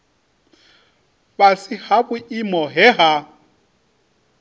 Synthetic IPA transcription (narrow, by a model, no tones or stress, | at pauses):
βasihaβuimɔɦɛɦa